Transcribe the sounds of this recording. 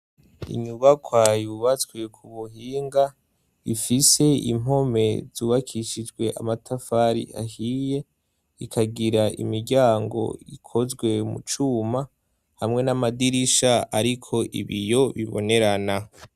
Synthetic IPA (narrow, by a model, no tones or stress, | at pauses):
ḭɲuβakʰwajuβat͡sɡwe̞kʰuβuhiːŋɡa | ifise̞ḭmo̞me̞z̥uːβakʰiʃid͡ʒɡwe̞ʔa̰matʰafaɾḭʔa̰hiːje̞ | ikʰaɡiɾaʔḭmiɾɟaːŋɡo̞̰ikʰo̞zɡwe̞mṵt͡ʃuːma | hamŋe̞namadiɾiʃaaɾikʰo̞ʔḭβijo̞βiβo̞̰ne̞ɾana